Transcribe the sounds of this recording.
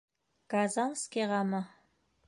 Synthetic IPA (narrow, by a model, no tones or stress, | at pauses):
ɡ̥azanskʲeʁɑma